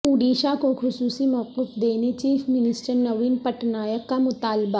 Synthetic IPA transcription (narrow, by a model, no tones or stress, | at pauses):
uːɖiːʃakoxʊsuːsimɔːqɪfd̪eːnet͡ʃiːfmɪnɪsʈəɾnɐʋiːnpɐʈnaːjəkːamʊt̪aːlba